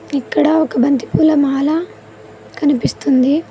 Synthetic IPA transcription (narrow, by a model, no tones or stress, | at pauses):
ikːɐɽɐɔkɐbɐnt̪i̥puːlɐmaːla | kɐnipist̪und̪i